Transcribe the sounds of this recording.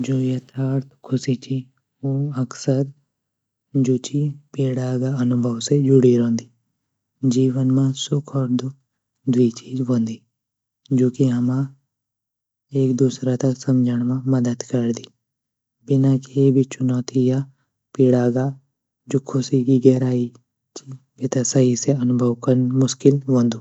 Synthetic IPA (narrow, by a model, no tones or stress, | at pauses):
d͡ʒoːjət̪ʰaːɾt̪ʰkʰʊsit͡ʃiː | oːəksəɾ | d͡ʒot͡ʃiːpiːɽaːɡaːənʊbʱəʋsed͡ʒʊɽiːɾõːnd̪iː | d͡ʒiːʋənmãːsʊkʰɔːɾd̪ʊ | d̪ʊiːt͡ʃiːzɦõːnd̪iː | d͡ʒoːkiɦəmãː | eːkd̪uːsɾat̪asɐmd͡ʒʱəɽ̃mãmɐd̪əd̪kɐɾd̪iː | bɪnãːkebʱit͡ʃʊnɔːt̪ʰija | piːɽaːɡa | d͡ʒʊkʰːʊsikiɡɛːɾaːi | t͡ʃibet̪asəɦiseɐnʊbʱəʋkənmʊʃkɪlʋõːnd̪uː